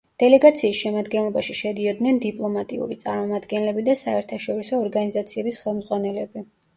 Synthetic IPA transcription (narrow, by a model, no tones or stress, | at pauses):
d̪̥ɛlɛɡat̪sʰiːsʃɛmad̪ɡɛnlˠɔbaʃiʃɛd̪iɔd̪nɛnd̪ipʼlˠɔmat̪ʼḭṵɾit̪sʼaɾmɔmad̪ɡɛnlɛbid̪asaɛɾt̪ʰaʃɔɾisɔːɾɡanizat̪sʰiɛbisχɛlˠmzʁwanɛlɛbi